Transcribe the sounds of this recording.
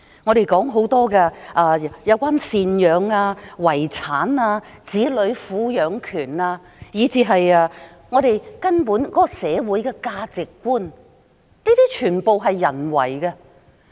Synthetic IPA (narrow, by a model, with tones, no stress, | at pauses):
ŋɔː˨˧ɾe˨jkɔː˨˥ŋɦo˨˥wt̪ɔː˥ɡɛː˧ʔaː˨˧jɐ˨˧wkʷaː˥nsiː˨njœː˨˧ŋaː˧wɐ˨˩jt͡sʰaː˨˥naː˧t͡siː˨˥lɵ˨˧˥ɥfuː˨˥jœː˨˧ŋkʰyː˨˩naː˧ | jiː˨˧t͡siː˨˧ɦɐ˨jɐː˧ | ŋɔː˨˧ɾe˨jkɐ˥npuː˨˥nkɔ˨˦˥kɔ˧sɛː˨˧wu˨˥jkɛː˧kaː˧t͡sɪ˨kːʷuː˥n | niː˥t̪iː˥t͡ʃʰyː˨˩npo˨wɦɐ˨jːɐ̰˨˩nwɐ̰˨˩jɡɐ˧